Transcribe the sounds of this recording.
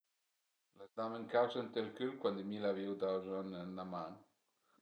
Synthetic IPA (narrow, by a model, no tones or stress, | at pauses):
lazd̪aməŋkawsənt̪elkylkwand̪əmilaviwd̪awzanənːamaŋ